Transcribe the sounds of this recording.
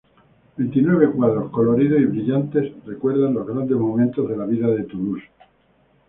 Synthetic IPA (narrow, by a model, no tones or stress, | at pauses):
bent̪inwe̞βe̞kwaðɾosko̞lo̞ɾið̞osiβɾiʎant̪e̞sre̞kwe̞ɾðanlo̞zɣɾand̪e̞zmomẽnt̪o̞zðe̞laβiðaðe̞t̪umus